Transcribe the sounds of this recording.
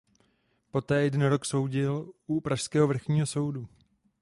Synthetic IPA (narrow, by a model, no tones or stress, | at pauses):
po̞t̪ɛːjɛdɛnɾo̞kso̞wɟɪlʔupɾaʃskɛːɦovr̩xɲiːɦo̞so̞wdu